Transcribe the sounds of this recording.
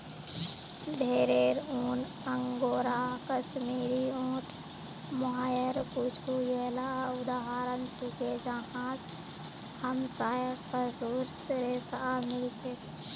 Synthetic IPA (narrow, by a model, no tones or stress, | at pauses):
d̪ʱeɾeɾuːn | əŋɡoːɾakəʃmiːɾiõːʈʰ | moɦaːjəɾput͡ʃʰujeːlaʊd̪aɦaːɾənt͡ʃʰiked͡ʒaɦãs | həmsaːjəkəsuːɾsɾesaamɪld͡ʒʰek̪